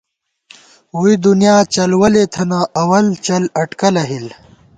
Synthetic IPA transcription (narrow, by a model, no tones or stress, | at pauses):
wuid̪unjaːt͡ɕɐlwɐlet̪ʰɐnaʔɐwɐlt͡ɕɐlɐʈkɐlɐɦil